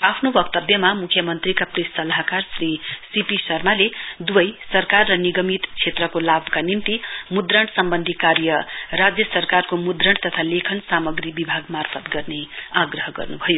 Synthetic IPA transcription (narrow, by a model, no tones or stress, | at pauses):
apʰnobʌkt̪ʌbjʌmamukʰjʌmʌnt̪rikapresʌlaɦakarsrisipisʌrmaled̪ubʌjsʌrkarːʌniɡʌmit̪t͡sʰet̪rʌkolabʱkanint̪imud̪rʌɳsʌmbʌnd̪ʱikarjʌrad͡zjʌsʌrkarkomud̪rʌɳt̪ʌt̪ʰalekʰʌnsamʌɡɾibibʱaɡmarfʰʌt̪ɡʌrneaɡrʌɦʌɡʌ̰rnubʱʌjo